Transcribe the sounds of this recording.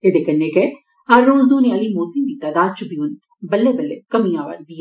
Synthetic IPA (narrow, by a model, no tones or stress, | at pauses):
ed̪ekɐnːeke | ɐɾːõːzd̪uːnialimoːt̪id̪it̪aːd̪aːd̪̚t͡ʃubʱiʊn | bɐlːebɐlːekɐmĩjãːʋa̰k̚d̪ie